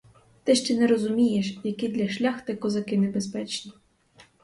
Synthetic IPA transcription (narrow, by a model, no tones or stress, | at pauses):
t̪ɪʃt͡ʃɛnɛɾɔzʊmʲijeʃjɐkid̪lʲɐʃlʲaxt̪ɪkɔzɐkɪnebespɛt͡ʃnʲi